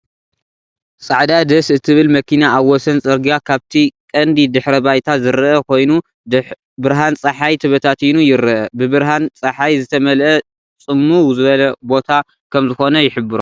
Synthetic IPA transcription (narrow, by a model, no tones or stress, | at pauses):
sʼaʕd̪ad̪ɐsɨt̪ʰɨβɨlmɐkʰinaaβːɔsɐnt͡sʼɐɾɡijakʰaβt̪ʰikʼɐnd̪id̪ɨħɾɐbajt̪ʰazɨɾʔɐkʰo̞jnu | bɨɾɦant͡sʼɐħajt̪ʰɨβɐt̪ʰat̪inujɪɾɨʔɐbɨβɨɾɦant͡sʼɐħajzɨt̪ʰɐmɐlʔɐ | t͡sʼɨmːuwzɨβɐlɐbo̞t̪ʰa | kʰɐmzɨxo̞nɐjɪħɨbɨɾu